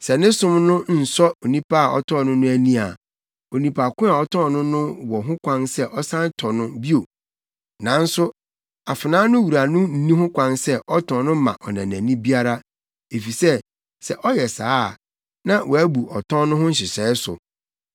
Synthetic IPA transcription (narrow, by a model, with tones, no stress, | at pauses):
sɛ˨nɪ̃˦sʊ̃˦mnʊ̃˦n̩˨sɔ˦o˨nĩ˦pa˦a˨ɔ̰˦tʰɔ̃˦˨nʊ̃˦nʊ̃˦æ˨nĩ˦a˨ | o˨nĩ˨pʰa˨kʷʊ̃˦a˨ɔ˦tʰɔ̃˦˨nʊ̃˦nʊ̃˦wɔ˨ɦʊ̃˦kʷã˦nsɛ˦ʔɔ˦sã˦ntʰɔ˨nʊ̃˦bi˦o˨ | nã˨n̩˦sʊ˦ | a˨fɪ˨nãː˦nʊ̃˦wu˨ɾa˨nʊ̃˦n̩˦nĩ˦ɦʊ̃˦kʷʰã˦nsɛ˦ʔɔ˦tʰɔ̃˨nʊ̃˦mã̰˨ʔɔ˨nã̰˨næ̃˨nĩ˦bi˦a˦ɾa˦ | e˨fi˨sɛ˦ | sɛ˨ʔɔ˦jɛ˨sa̰ː˨˦˨ | nã˦wʔɔ˨æ˦bu˨ʔɔ˨tʰɔ̃˦nʊ̃˦ɦʊ̃˦n̩˦ɕɪ˨sɛː˨˦sʊ̰˨